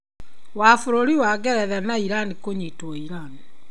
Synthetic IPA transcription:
wafoɾoɾiwaɡɛɾɛðɛnaiɾanikoɲitwoiɾani

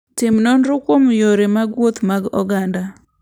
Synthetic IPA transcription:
tɪmnonɾʊkwomjoɾemaɡwot̪maɡɔ̰ɡanda

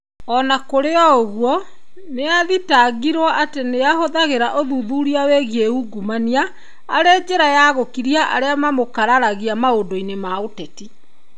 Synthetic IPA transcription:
ɔnakoɾeɔoɣwɔ | neaðitaɡiɾwɔʔateneahoðaɣeɾaʔoðuðuːɾiaweɣieuɡumania | aɾed͡ʒeɾajaɣokiɾiaʔa̰ɾeamamokaɾaɾaɣiamaodoinemaotɛti

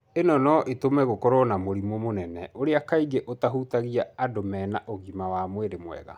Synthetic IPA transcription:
enɔnɔʔetomɛɣokɔɾɔnamoɾimomonɛnɛoɾeakaiɡeʔotaɦutaɣiaːdomɛːnaʔoɣimawamweɾemwɛ̰ɣa̰

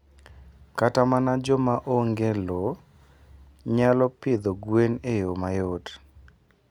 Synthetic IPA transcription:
katamanad͡ʒɔmaʔoŋɡelɔ | ɲalɔpɪd̪oɡwenejomajot

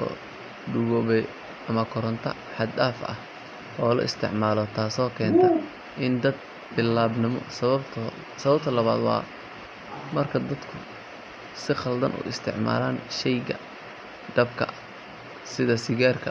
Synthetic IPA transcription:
ɔ̰ː | ɖʊɣɔːβɛj | ʔɐmɐkʰɔɾɔnt̪ʰɐ | ħɑd̪aːfʔɐ̰h | ʔɔːlɐ̰ʔɪst̪ʰɪ̰ʕmaːlɔt̪ʰaːsɔːkʰɛːnt̪ʰɐ | ʔɪnd̪ɐd̪̚ | bɪlːaːbnɪmɔ̰sɐβɐbt̪ʰɔ | sɐβɐbt̪ʰɐlɐβa̰ːd̪wɑ̰ː | mɐrkʰɐd̪ɐd̪kʰʊ | sɪχɐld̪ɐnʔʊ̰ʔɪst̪ʰɪ̰ʕma̰ːlaːnʃɛjɣɐ̰ | d̪ɐbkʰɐ̰ | sɪðɐsɪɣaːrkʰɐ

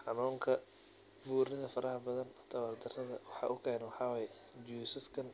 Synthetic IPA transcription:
ħɑnuːŋkʰɐ | buːrnɪðɐfɐɾʔɐhɐbɐðɐnt̪ʰɐwɐrt̪ʰɪrɐðɐ̰wɑħɑ̰ːʔʊkʰɛːnwɑħɑwɛj | d͡ʒuːsɪskʰɐn

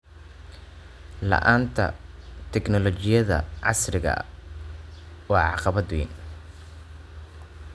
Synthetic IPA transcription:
lɐ̰ʔaːnt̪ʰɐ̰t̪ʰɛɡnɔlɔt͡ʃɪjɐðɐ̰ʕɑsrɪɣɐ̰ | wɑːʕɑqɑβɐd̪wḭn

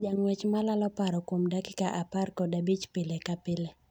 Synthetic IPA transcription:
d͡ʒaŋwet͡ʃmalalɔpaɾɔkwomdaki̥kaʔaparkɔdabit͡ʃpɪlekapɪle

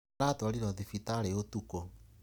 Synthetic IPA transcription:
ɾataɾiɾɔðifitaɾeotuko

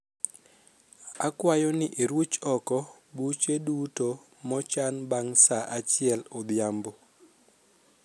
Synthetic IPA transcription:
akwajɔnɪʔeɾwut͡ʃɔkɔ | but͡ʃeduto | mɔt͡ʃanbaŋsaʔat͡ʃɪɛlod̪jambo

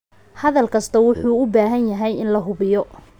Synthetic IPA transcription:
hɐðɐlkʰɐst̪ʰɐwʊħuːʊbaːɦɐnjɐɦɛjɪnlɐɦʊβɪjɔ

